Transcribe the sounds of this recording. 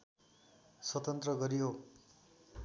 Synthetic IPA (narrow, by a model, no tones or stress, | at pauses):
sʌt̪ʌnt̪rʌɡʌɾijo